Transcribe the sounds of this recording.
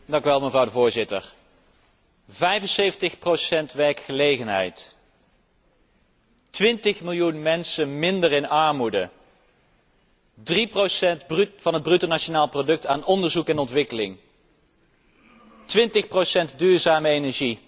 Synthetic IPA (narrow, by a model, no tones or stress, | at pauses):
dɑŋkyʋɛlˠməvrɑwdəvʊːɹzɪtə̰ɹ | vɛjvənsejvəntəχprosɛntʋɛɹkχəlejχənɦɛ̰jt | tʋɪntəχmɪlˠjunmɛnsənmɪndərɪnɑɹmudə | driprosɛv̥ɑnɦəd̚brytonaʃonaːlˠprodɵk̚taːnɔndəɹzukɛnɔntʋɪkəlɪŋ | tʋɪntəχprowsɛntdyːɹzaːməejnɛɹʒi